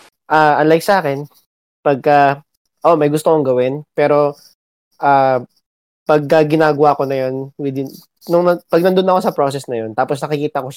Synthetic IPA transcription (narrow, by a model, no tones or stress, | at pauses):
ʔaʔɐnlajk̚sɐʔaːkɛn | pɐɡ̚kɐ | ʔo̞mɐjɡʊst̪okoŋɡɐwɪnpɛːɾo̞ | ʔaː | pɐɡ̚kɐɡɪnaːɡɐwaːko̞nɐjanwɪd̪ɪn | nʊŋnɐpɐɡ̚nɐnd̪onɐko̞sɐpɾosɛsnɐjo̞nt̪aːposnɐkɪkiːt̪ɐkoʃ